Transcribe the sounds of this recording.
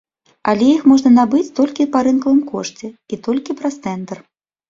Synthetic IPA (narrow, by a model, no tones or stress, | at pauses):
alʲɛjixmɔʐnɐnabɨt͡sʲt̪ɔlʲkʲipaɾɨnkɐvɨmkɔʂt͡sʲɛit̪ɔlʲkʲipɾɐst̪sɛnt̪ɛr